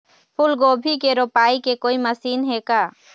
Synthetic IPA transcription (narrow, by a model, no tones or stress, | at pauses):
pʰʊlɡoːbʱikeɾopaːikekoːiməsiːnɦekaː